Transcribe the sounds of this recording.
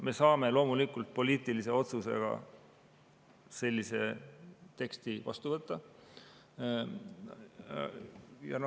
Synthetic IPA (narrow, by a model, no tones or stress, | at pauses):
me̞sɑːme̞lo̞ːmulikːˑult̪̚po̞lʲiːt̪ːˑilise̞o̞t̪suse̞̰ɡ̥ɑ̰ | se̞lʲːise̞t̪e̞kst̪ivɑ̰st̪uvɤt̪ːɑ | jɑ̰n